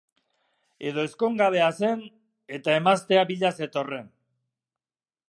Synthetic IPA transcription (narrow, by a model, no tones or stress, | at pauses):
e̞ð̞o̞e̞sko̞ŋɡaβe̞ase̞n | e̞t̪ae̞mast̪e̞aβiʎase̞t̪o̞re̞n